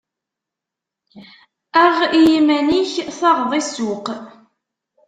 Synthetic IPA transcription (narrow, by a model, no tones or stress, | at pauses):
æʁijimæniçθɑʁðˤisʊq